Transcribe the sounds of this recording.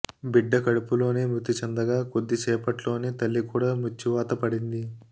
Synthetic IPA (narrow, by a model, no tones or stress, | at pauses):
biɖːɐkɐɽupulo̞ːneːmut̪ːit͡ʃɐnd̪ɐɡaːko̞d̪ːit͡ʃɛːpɐʈlo̞ːneːt̪ɐlːikuːɽaːmut͡ʃːiʋaːt̪ɐpɐɽind̪i